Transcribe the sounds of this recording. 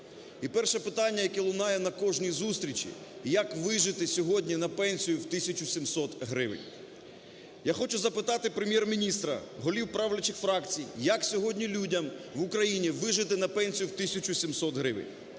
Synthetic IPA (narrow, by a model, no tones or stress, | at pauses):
ipɛrʃɛpɪt̪ɑnʲːɐjɐkɛlˠʊnɑjɛnɐkɔʒnʲizust̪ɾʲit͡ʃʲḭ | jɐkʋɪʒɪt̪ɪsʲɔɦɔdʲnʲinɐpɛnʲsʲijʊwt̪ɪsʲɐt͡ʃʊsʲimsɔt̪ɦɾɪʋɪ̰nʲ | jaxɔt͡ʃʊzɐpɪt̪ɑt̪ɪpɾemjɛrmʲinʲist̪ɾɐ̰ɦɔlʲiwpɾɑwlʲɐt͡ʃɪxfɾɑkt͡sʲijjɐksʲɔɦɔdʲnʲilʲudʲɐmʋʊkɾɐjinʲiʋɪʒɪt̪ɪnɐpɛnʲsʲijuwt̪ɪsʲɐt͡ʃʊsʲimsɔt̪ɦɾɪʋɪ̰nʲ